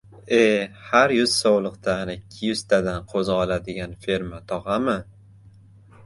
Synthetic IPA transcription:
ehaɾjʊz̥sowlˠɨqt̪ʰaːnɪɪkʲʰːɪjʊz̥t̪ʰad̪anqʰozɒlad̪ɪɡʲanfe̞ɾmat̪ʰɒʁɑmɪ

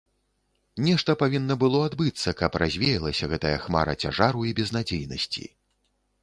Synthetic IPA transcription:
nʲɛʂt̪ɐpavʲinːɐbɨlˠɔad̪bɨt̪sːɐkɐpɾʔazʲvʲeɛjɐlˠɐsʲɐɣɛt̪ɐjɐxma̰ɾɐ̰t͡sʲa̰ʐaɾuibʲɛznad͡zʲejnɐ̰sʲt͡sʲḭ

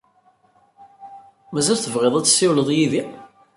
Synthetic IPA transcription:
mæzælθəvʁeðˤæt͡sːsːɪwləðˤjiði

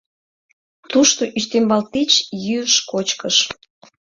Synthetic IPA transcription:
t̪uʃt̪oʔyʃt̪embɑlt̪it͡ɕjyəʃkot͡ɕkəʃ

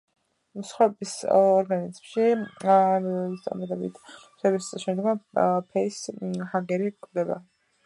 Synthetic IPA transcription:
sχaɛbisɔɾɡanizmʃi | st̪ʼa̰mad̪ɛbḭt̪ʰ | tɛbisʼˠʃɛmd̪ɡapʰɛishaɡɛɾikʼʰd̪ɛba̰

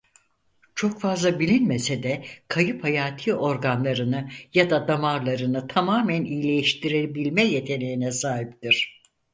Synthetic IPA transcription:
t͡ʃʰo̞kfazlˠabilʲinmesed̪ɛkʰajɯphajaːt̪ʰɯːʔo̞ɾɡanlˠaɾɯnɯjad̪ad̪amaɾlˠaɾɯnɯt̪ʰamaːmænijlʲe̞jiʃt̪ʰiɾebilʲmɛje̞t̪ʰe̞nʲejinɛsaːɦip̚t̪iɾ̥

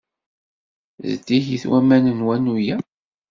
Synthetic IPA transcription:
zt̪ːiçiθwæmænənwænːujæ

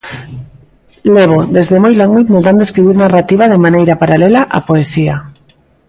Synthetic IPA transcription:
leβ̞oðezðemojlaŋut̪meðand̪eskɾiβ̞iɾnarat̪iβ̞aðemãnejɾapaɾalelaʔa̰poesia

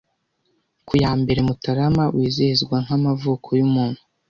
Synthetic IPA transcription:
kujaːmbe̞ɾe̞mutaɾamawʔiːzihizɡwaŋ̥hamavuːkʰo̞jumuːnhu

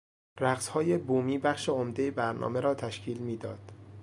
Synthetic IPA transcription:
ræɢshɒːje̞buːmiːbæχʃe̞omd̪ejebæɾnʔɒ̰ːme̞ɾɒːt̪ʰæʃcʰiːlmiːd̪ɒːd̪̥

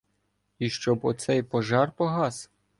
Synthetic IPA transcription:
iʃt͡ʃɔbɔt̪sɛjpɔʒɑrpɔɦɑs

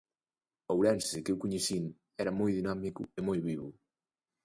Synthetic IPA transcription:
owɾɛnsɪkewkuɲesin | ɛɾɐmojðinamikuemojβiβu

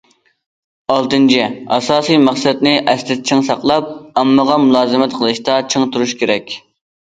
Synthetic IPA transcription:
ɑlˠt̪ɨnt͡ʃʰiɑ̰sɑːsijmæχsɛd̪nɪʔɛst̪ɪt̪t͡ʃʰɪŋsɑqlˠɑp̚ɑmːəʁɑmulˠɑːzɨmɛt̪qʰəlˠɨʃt̪ɑt͡ʃʰiŋt̪ʰuɾuʃkʲeɾɛkʲ

